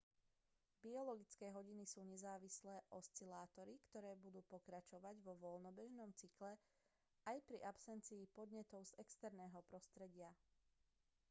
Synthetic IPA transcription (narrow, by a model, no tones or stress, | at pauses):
biɔlɔɡit͡skɛːɦɔɟinisuːɲɛzaːʋislɛːʔɔst͡silaːt̪ɔɾikt̪ɔɾɛːbud̪uːpɔkɾat͡ʃɔʋaɟʋɔʋɔlnɔbɛʒnɔmt͡siklɛ | ajpɾiʔapsɛnt͡siːpɔd̪ɲɛt̪ɔʊz̥ɛkst̪ɛɾnɛːɦɔpɾɔst̪ɾɛɟɪa